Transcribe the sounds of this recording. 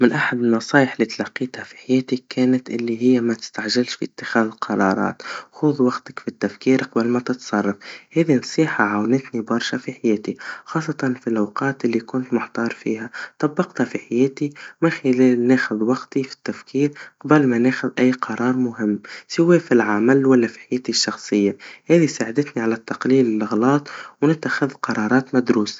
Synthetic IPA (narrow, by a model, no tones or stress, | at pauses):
mɪnʔaħad̪ɪlnɑsˤɑːjɪħlːiːt̪alɑqːiːt̪hafi̥ħajeːt̪ikeːnat̪ʔɪlːiɦɪjːamat̪ɪ̥st̪aʕʒalʃfḭʔɪt̪ːɪxaːðɪlqʰɑɾˤɑ̰ːɾˤɑ̰ːt̪xʊːðwaɡt̪ḁkfit̪ːafkiːɾqɑbɪlmat̪ɪt̪sˤɑrˤːɑfhaːðinɑsˤiːħaʕawnɪt̪nibɑɾˤʃafiħajeːt̪ixɑːsˤːɑt̪ɑnfilʔawqɑːt̪ʔɪlːikʊnt̪mʊħt̪ɑːɾˤfḭːhat̪ˤɑbːɑqt̪hafiħajeːt̪imɪnxɪleːlneːxʊðwɑɡt̪ifi̥t̪ːafkiːɾqɑbɪlmaneːxʊðʔajːqʰɑɾˤɑːɾˤmʊɦɪmːsɪwefilʕamalwalːafi̥ħajeːt̪iʃːɑxsˤɨjːahɛːðisaːʕad̪ɪt̪niʕalat̪ːɑqliːlɪlɪɣlɑːt̪ˤwnɪt̪ːaxɪðqɑɾˤɑːɾˤɑːt̪mad̪ɾuːs